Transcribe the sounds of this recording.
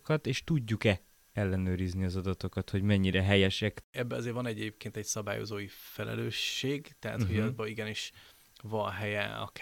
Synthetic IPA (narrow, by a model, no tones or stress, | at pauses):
kɒt̪eːʃt̪uɟːukɛ | ɛlːɛnøːɾizniɒzɒd̪ɒt̪o̞kɒt̪ho̞ɟmɛɲːiɾɛɦɛjɛʃɛkɛbːɛɒzeːɾvɒnɛɟeːpkeːnt̪ɛcsɒba̰ːjo̰zoːjifɛlɛ̰løːʃːeːɡt̪ɛɦa̰t̪hoɟɒzbɒiɡɛniʃ | vɒnɦɛjɛɒ̰kː